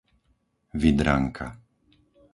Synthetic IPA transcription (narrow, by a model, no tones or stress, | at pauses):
vid̪ɾa̰ŋkʰa